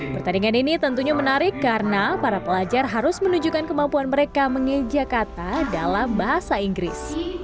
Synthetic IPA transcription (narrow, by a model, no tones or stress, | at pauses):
pərt̪adiŋaninit̪ənt̪uɲamənaɾɪkːarənapaɾapəlad͡ʒarɦaɾʊsmənuɲd͡ʒukankəmampuanməɾekaməŋəd͡ʒakat̪adalambaɦasaiŋɡɾɪ̰s